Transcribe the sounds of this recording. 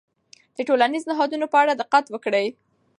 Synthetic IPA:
d̪̥əʈolaniznɪɦɑd̪unopəaɽad̪ɪqat̪wəkɽəj

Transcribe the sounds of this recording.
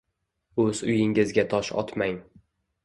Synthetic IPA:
ɵz̥ʊjɪŋɪzɡʲat̪ʰɒʃɒ̰t̪maŋ

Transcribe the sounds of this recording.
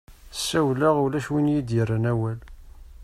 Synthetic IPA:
sːæwlaʁʊlæʃwinjid̪irənæwæl

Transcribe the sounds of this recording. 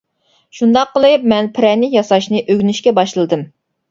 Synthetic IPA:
ʃund̪ɑqːəlˠɨp̚mɛnpʰɪɾɛnɪjɑsɑʃnɨʔøɡʲnyʃkʲɛbɑʃlˠɨd̪ɨm

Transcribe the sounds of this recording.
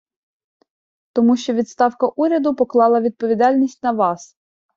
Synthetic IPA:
t̪ɔmuʃt͡ʃɔʋʲid̪st̪ɑwkɐʔuɾʲɐd̪ʊpɔklˠɑlˠɐʋʲid̪̚pɔʋʲid̪ɑlʲnʲisʲtʲnɐʋɑs

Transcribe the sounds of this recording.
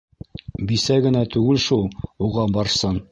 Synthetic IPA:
bisæɡɘ̆næt̪ʉɡɘlʃulˠuʁɑbɑɾsɤn

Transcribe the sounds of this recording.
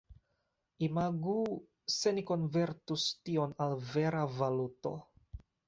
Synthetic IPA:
imaɡu | se̞niko̞nve̞ɾtustio̞nalve̞ɾavaluto̞̰

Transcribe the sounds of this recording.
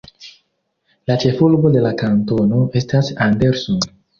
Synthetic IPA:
lat͡ʃe̞fulbo̞de̞lakanto̞no̞e̞stasande̞ɾson

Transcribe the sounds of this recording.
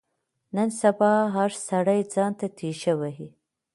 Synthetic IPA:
nənsabɑɦaɾsaɽajd͡zɑnt̪at̪ʰiʃawaɦi

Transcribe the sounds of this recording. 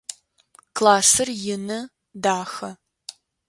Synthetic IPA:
kʰlaːsɨrjɪnɐ | daːxɐ

